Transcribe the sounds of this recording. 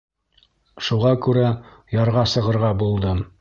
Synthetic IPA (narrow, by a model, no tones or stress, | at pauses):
ʃuʁɑkʉɾæjɑɾʁɑsɤ̆ʁɤ̆ɾʁɑbulˠd̪ɤm